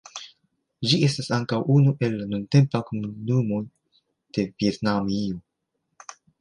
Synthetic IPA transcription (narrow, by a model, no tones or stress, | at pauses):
d͡ʒie̞stasaŋkawʔunuʔe̞lːanunte̞mpakomunumo̞j | d̥e̞vie̞t̪namio